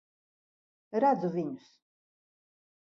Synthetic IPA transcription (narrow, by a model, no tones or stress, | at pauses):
ɾad̪zuviɲus